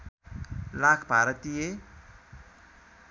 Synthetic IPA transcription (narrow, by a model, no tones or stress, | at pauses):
lakʰbʱaɾət̪ije